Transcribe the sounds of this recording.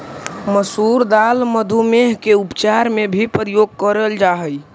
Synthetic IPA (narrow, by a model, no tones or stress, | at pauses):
məsuɾd̪alməd̪ʱumeɦkeupt͡ʃaɾmebʱipəɾijoɡ̚kəɾəld͡ʒaɦəj